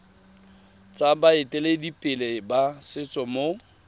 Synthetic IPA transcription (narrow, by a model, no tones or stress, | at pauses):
t͡sʼabaɪtʼɛledipʼɪlebasɪt͡sʼɔmo